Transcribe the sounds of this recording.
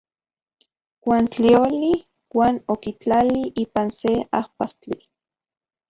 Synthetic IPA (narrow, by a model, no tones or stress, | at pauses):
wʷaːnt͡ɬioli | waːnokit͡ɬaliʔiːpanseahpast͡ɬi